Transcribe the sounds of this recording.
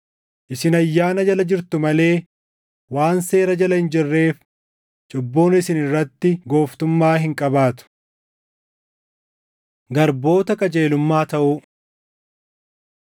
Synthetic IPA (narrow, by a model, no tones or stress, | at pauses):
ʔɪsɪnɐjːaːnɐd͡ʒɐlɐd͡ʒɪɾt̪ʊmɐle̞ː | waːnse̞ːɾɐd͡ʒɐlɐhɪnd͡ʒɪrːe̞ːf | t͡ʃʼʊbːoːnɪsɪnɪrːɐt̪ːɪɡo̞ːft̪ʊmːaːɦɪŋkʼɐbaːt̪ʊ̥ | ɡɐɾbo̞ːt̪ɐkʼɐd͡ʒʼe̞ːlʊmːaːt̪ɐʔʊ